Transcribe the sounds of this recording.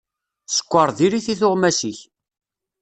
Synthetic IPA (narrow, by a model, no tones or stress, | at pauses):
sə̥kʷːɑɾˤðiɾiθiθʊʁmæsiç